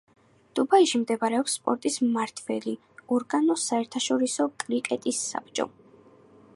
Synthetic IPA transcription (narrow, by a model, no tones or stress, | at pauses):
d̪̥ubaiʃimd̪ɛbaɾɛɔpsːpʼɔɾt̪ʼismaɾt̪ʰvɛli | ɔɾɡanɔsaɛɾt̪ʰaʃɔɾisɔkʼɾikʼɛt̪ʼisːa̰b̚t͡ʃʼɔ̰